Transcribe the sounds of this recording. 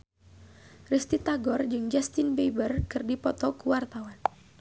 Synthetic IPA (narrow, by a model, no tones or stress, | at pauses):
rist̪it̪aɡɔrd͡ʒɨŋd͡ʒast̪inbebərkɨrdipɔt̪ɔkuwart̪awan